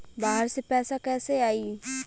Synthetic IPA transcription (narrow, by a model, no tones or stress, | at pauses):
baːɦəɾsepɛːsakɛːseaːiː